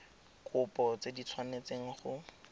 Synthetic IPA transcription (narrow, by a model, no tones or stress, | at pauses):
kʰʼʊpɔt͡sedit͡sʰwanet͡seŋ̩χʊ